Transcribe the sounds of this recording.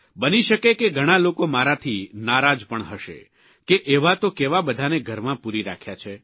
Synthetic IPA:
bəniʃəkekeɡʱəɽ̃alokomaɾat̪ʰinaɾad͡ʒpəɳɦəʃḛ | keʔeʋat̪okeʋabəd̪ʱaneɡʱəɾmãpuɾiɾa̰kʰjat͡ʃʰe

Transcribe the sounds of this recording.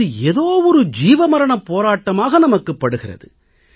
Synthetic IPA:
ɯeðoːʋɔɾɯd͡ʒiːʋɐmɐɾɐɳɐpoːɾaːʈːɐmaːɣɐnɐmɐkːɯpːɐɽɯɣɪrɐ̰ðɯ

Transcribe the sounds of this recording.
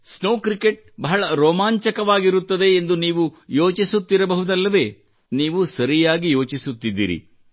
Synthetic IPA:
snoːkɾike̞ʈ̚bɐɦɐɭɐɾoːmaːɲt͡ʃɐkɐʋaːɡiɾut̪ːɐd̪e̞ːnd̪uniːʋujoːt͡ʃisut̪ːiɾɐbɐɦud̪ɐlːɐʋe̞ː | niːʋusɐɾijaːɡijo̞ːt͡ʃisut̪ːid̪ːḭːɾḭ

